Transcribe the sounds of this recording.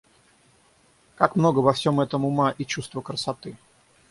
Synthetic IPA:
kakmno̞ɡəvɐfsʲo̞mɛt̪əmʊmaʔit͡ɕust̪vəkɾəsɐt̪ɨ

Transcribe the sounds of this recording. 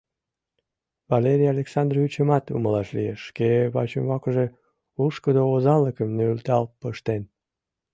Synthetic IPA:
vɑleɾʲijɑlʲeksɑnd̪ryt͡ɕəmɑt̪ṵməlɑʃlḭjeʃːkeβɑt͡ɕəmβɑkəʒe̽ | uʃkəd̪oozɑləkəmnøylt̪ɑlpəʃt̪en

